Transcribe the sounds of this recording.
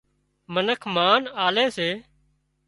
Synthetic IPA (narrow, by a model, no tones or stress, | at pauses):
mənəkʰmaːnaːleːseː